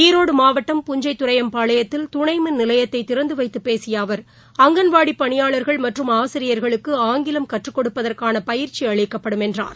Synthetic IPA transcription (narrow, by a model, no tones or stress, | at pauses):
iːɾoːɽɯmaːʋɐʈːɐmpʊɲd͡ʒɐɪt̪ːʊrɐjɐmpaːɭɐjɐt̪ːɪlt̪ʊɳɐɪmɯnɪlɐjɐt̪ːɐɪt̪ːɪɾɐnd̪ɯʋɐɪt̪ːɯpːeːsɪjaːʋɐɾ | ɐŋɡɐnʋaːɽipːɐɳɪjaːɭɐɾɣɐɭmɐʈrɯmaːsɪɾɪjɐɾɣɐɭɯkːɯaːŋɡɪlɐmkɐʈrɯkːɔɽɯpːɐðɐrkaːnɐpɐjɪɾt͡ʃiɐɭɪkːɐpːɐɽɯmɛndra̰ːɾ